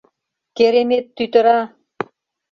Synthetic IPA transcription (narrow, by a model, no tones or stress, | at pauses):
keɾemet̪ːyt̪ə̆ɾɑ